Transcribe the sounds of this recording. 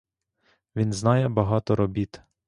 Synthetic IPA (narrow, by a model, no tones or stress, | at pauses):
ʋʲinznɑjɛbɐɦɑt̪ɔɾɔbʲit̪